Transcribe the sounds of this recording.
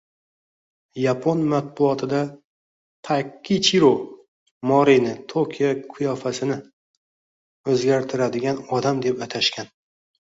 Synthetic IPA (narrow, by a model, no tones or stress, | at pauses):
japʰonmat̪̚bʊɒt̪ʰɪd̪a | t̪ʰakʲʰːit͡ʃʰiɾo | mɒɾinɪt̪ʰokʲʰijakʰʊjɒfasɪnɪ | ɵzɡʲaɾt̪ʰɪɾad̪ɪɡʲanɒd̪amd̪e̞pat̪ʰaʃkʲʰan